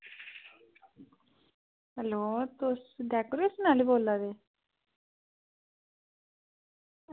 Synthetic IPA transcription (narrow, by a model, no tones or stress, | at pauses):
ɦəloːt̪ʊsɖɛːkoɾiʊsnaːliːboːlːaːd̪eː